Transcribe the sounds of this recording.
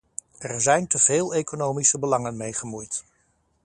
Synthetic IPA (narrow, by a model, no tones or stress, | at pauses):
ɛɹzɛjntəv̥ɪːlˠejkonowmisəbəlɑŋənmejχəmujt